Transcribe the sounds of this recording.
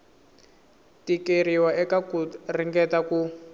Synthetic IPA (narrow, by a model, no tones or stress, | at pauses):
tikeriwaɛkakuriŋɡɛtaku